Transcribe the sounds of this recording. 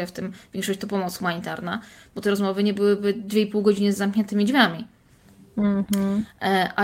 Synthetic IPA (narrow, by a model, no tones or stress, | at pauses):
ɛft̪ɘmvʲjɛŋkʂɔɕt͡ɕt̪ɔpɔmɔt̪sxumaɲit̪aɾnab̥ɔt̪ɛɾɔzmɔvɘɲɛbɘwɘbɘd̪vʲjeipuwɡɔd͡ʑinɘzːamkɲɛnt̪ɘmʲid͡ʑmʲjamʲi | ʔa